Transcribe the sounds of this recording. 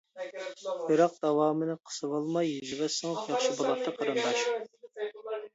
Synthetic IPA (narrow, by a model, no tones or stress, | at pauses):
iɾɑq̚d̪̥ɑwɑːmɨnɨqʰə̥sɨvɑlˠmɑjid͡ʒivɛsɨŋpjɑχʃibolˠɑp̚t̪ʰːɑqʰɑɾɨnd̪ɑʃ